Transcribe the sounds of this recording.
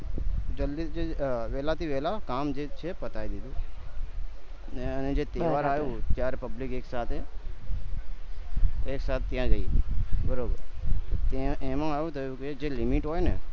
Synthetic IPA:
d͡ʒəld̪id͡ʒeʋeːlat̪ʰiʋeːlakaːmd͡ʒeːt͡ʃʰepət̪aːid̪id̪uː | ned͡ʒeːt̪eːʋaːɾaːjot̪jaːɾepəblɪkeːksaːt̪ʰe | eːksaːt̪ʰːɪjãːd͡ʒaibəɾoːb | t̪eẽːmãaːjut̪əukeed͡ʒeːlɪmiʈɦoːene

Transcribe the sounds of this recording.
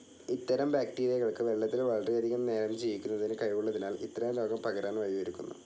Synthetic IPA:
it̪ːɐɾɐmbaːkʈiːɾijɐɣɐɭkɨʋe̞ɭːɐt̪ːilʋɐɭrijɐd̪ikːɐmne̞ːɾɐmt͡ɕijʋikʲːunːɐðinɨkɐjuɭːɐðinaːlḭt̪ːɐɾɐmlo̞ːɡɐmpɐɣɐɾaːnʋɐjʋɐɾukʲːunːṵ

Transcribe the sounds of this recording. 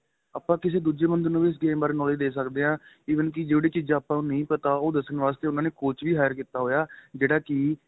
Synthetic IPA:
aːpːãːkɪs̬eːd̪uːd͡ʒeːmənd̪nũːʋiːs̬ɡeːbaːɾnɔːliːd̪eːsəkd̪eːɦãː | iːʋənk̬ɪd͡ʒeːɽeːt͡ʃiːzãːpãːnũːnə̃ĩːpət̪aːoːd̪əsənʋaːst̪eːʊnaːneːkʊt͡ʃʋiːɦaːjəɾkiːt̪aːɦoːjaːd͡ʒeːɽaːkɪ

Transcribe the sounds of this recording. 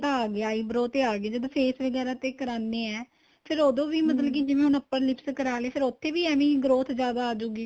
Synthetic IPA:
t̪ːaːɡeːaːiːbɾoːt̪eːaːɡeːd͡ʒəd̪pʰeːsʋəɡɛːɾaːt̪eːkəɾaːnːeːɛː | pʰɪɾoːd̪õːʋiːmət̪̬ləbkiːd͡ʒɪʋẽːɦʊnəpːəlɪpskəɾaːleːpʰɪɾʊt̪ʰːeːʋiːɛːʋĩːɡɾoːt̪ʰd͡ʒjaːd̪aːaːd͡ʒoːɡiː

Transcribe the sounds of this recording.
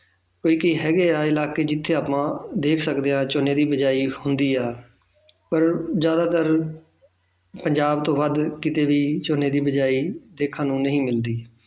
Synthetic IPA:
koːiːkiːɦɛːɡeːaːɪlaːkeːd͡ʒɪt̪ʰːeːaːpãːd̪eːkʰsəkd̪eːãːt͡ʃoːneːd̪iːbəd͡ʒaːiːhʊnd̪iːaː | pəɾzjaːd̪aːt̪əɾ | pəɲd͡ʒaːbt̪õːʋad̪kɪt̪eːʋiːt͡ʃoːneːd̪iːbəd͡ʒaːiːd̪eːkʰãːnũːnəɦĩːmɪld̪iː

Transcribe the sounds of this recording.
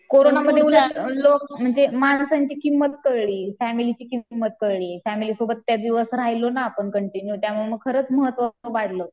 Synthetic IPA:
koɾonaməd̪ʱːeuləlok̚m̤əɳd͡zemaɳsaɲt͡ɕiːkimːət̪̚kəɾɭiːfæmilit͡ɕiːkimːət̪̚kəɾɭiːfæmilisobət̪ːjad̪iʋəsɾajlonaːpəɳkəɳʈinjut̪jamuɭeməɡ̚kʰəɾət͡sməɦət̪ːʋəəʋaɽ̤ləː

